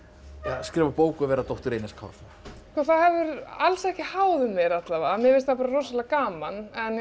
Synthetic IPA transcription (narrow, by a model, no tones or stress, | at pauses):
askɾɛːvapoːwkʏavɛːɾat̪owht̪ʏɾeːjnɪskʰa̰wθ | skɔθaðhɛvʏɾalsɛhcɪhaːwðʏmːjɛɾat̪lavamjɛveɪst̪θapaːɾarowsalakaːmanɛn